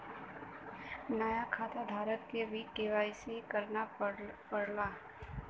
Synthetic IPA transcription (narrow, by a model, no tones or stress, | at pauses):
naːjakʰaːt̪ad̪ʱaːɾət̪̚kebʱikeːʋaːisekɐɾnapəɽlaː